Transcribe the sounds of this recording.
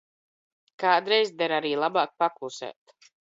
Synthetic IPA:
kaːd̪ɾɛjzd̪ɛɾaɾiːlˠabaːk̚paklˠusɛ̰ːt̪

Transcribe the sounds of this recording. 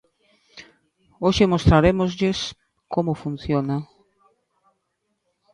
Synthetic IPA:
oʃemost̪ɾaɾemozʎes | komʊfun̟θjona

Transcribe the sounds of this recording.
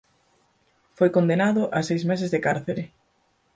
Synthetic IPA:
fojkond̪enaðʊʔasejzmes̬ɪzðekaɾθeɾɪ

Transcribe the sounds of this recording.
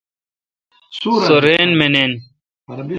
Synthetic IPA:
soɾeːnmenen

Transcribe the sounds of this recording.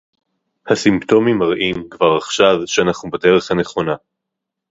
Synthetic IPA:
hasimpto̞mimaʁʔimkvaʁaχʃavʃeanaχnubede̞ʁe̞χhane̞χo̞na

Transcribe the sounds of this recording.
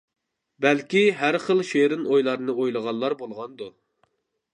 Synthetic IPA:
bɛlkʲiɦæɾχəlˠʃeɾɨnojlˠɑɾnɨʔojlˠəʁɑlˠːɑɾbolˠʁɑnd̪u

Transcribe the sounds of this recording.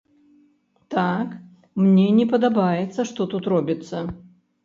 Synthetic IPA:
t̪ak | mnʲɛnʲɛpɐd̪abajɛt̪sːɐʂt̪ɔt̪ut̪rɔbʲit̪sːɐ

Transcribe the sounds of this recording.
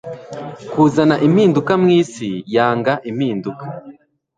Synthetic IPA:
kuːzanaʔimiːndukamŋiːsijaːŋɡaʔimhiːndukḁ

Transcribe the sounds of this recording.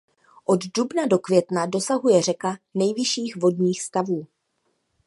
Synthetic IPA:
ʔo̞ddubnado̞kvjɛt̪nado̞saɦujɛr̝ɛkanɛjvɪʃiːxvo̞dɲiːxst̪avuː

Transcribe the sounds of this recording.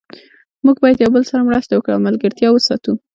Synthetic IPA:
muɡbɑjad̪jawbəlsaɾamɽast̪awəkɽaawmalɡəɾt̪jɑwəsɑt̪u

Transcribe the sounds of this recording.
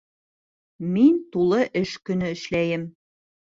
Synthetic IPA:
mint̪ulˠɤʔɘ̆ʃkɵ̆nɘ̆ɘ̆ʃlæjɘ̆m

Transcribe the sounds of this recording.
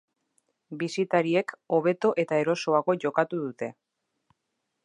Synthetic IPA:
bisit̪aɾie̞ko̞β̞e̞t̪o̞ʔe̞t̪ae̞ɾo̞so̞aɣo̞ʝo̞kat̪uðut̪e̞

